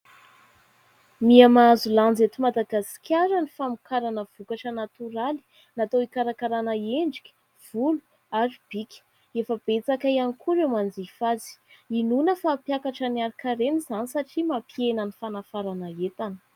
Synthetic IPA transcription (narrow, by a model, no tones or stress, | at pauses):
miamazuland͡zet̪umad̪aɡasi̥kʰʲaɾənifamikʰaɾanəv̥ukaʈ͡ʂənat̪uɾali̥ | nat̪oikaɾakaɾanəeɳɖ͡ʐikʲi̥ | v̥ulu | aɾib̥ikʲə̥ | efəb̥et͡sakajanikʰuɾewmand͡zifazi̥inunəfaːpjakaʈ͡ʂəniaɾikaɾenizanisaʈ͡ʂimapienənifanafaɾanəet̪anə̥